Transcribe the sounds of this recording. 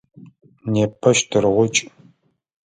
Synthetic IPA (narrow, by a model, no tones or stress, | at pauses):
neːpʰɐʃtʰɨrʁʷʊt͡ʃʼ